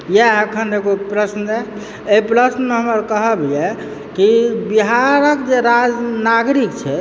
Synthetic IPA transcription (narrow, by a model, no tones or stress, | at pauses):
jeəkʰəneɡopɾəsnəd͡ʒɛ | eipɾəsnmeɦəməɾkəɦəbijɛ | kibiɦaɾəkd͡ʒeɾad͡ʒnaɡɾikt͡ʃʰɛ